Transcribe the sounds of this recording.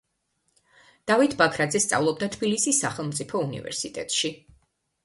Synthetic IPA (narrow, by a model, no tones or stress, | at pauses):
d̪̥avit̪ʰbakʰɾad̪zɛst̪sʼa̰vlˠɔb̚d̪at̪ʰb̥ilisisːaχɛlˠmt̪sʼipʰɔunḭvɛ̰ɾsit̪ʼɛ̰t̪ʼʃi